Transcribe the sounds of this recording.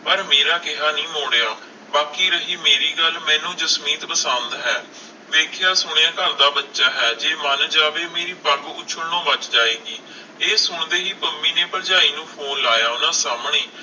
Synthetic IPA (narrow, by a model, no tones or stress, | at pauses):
pəɾmeːɾaːkɪɦaːnĩːmoːɽeːaː | baːkiːɾəɦiːmeːɾiːɡəlmɛ̃ːnũːd͡ʒəsmiːt̪pəsə̃nd̪ɦɛː | ʋeːkʰjaːsʊɳ̃eãːkəɾd̪aːbətːʃaːɦɛːd͡ʒeːmənd͡ʒaːʋeːmeːɾiːpəɡʊt͡ʃʰəɽnõːʋət͡ʃd͡ʒaːeːɡiː | eːsʊɳd̪eːɦiːpəmːiːneːpəld͡ʒaːiːnũːpʰoːnlaːjaːʊnãːsaːmɳeː